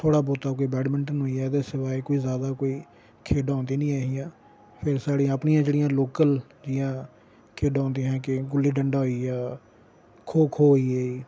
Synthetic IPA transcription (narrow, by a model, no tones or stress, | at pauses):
t̪ʰoːɽaːbɔːt̪aːkoːiːbɛːɖmɪ̃ɳʈnɦoːiːaːd̪eːsɪʋaːekoːiːzjaːd̪aːkoːiː | kʰeːɖãːnd̪iːnĩːaːɦiːjãː | pʰɪɾsaːɽĩəpɳiːãːd͡ʒeːɽɪjãːloːkəl | d͡ʒɪjãː | kʰeːɖãːnd̪iːɦɛ̃ːkɪɡʊlːiːɖəɳɖaːɦoiːaː | kʰoːkʰoːɦoːiːeːiː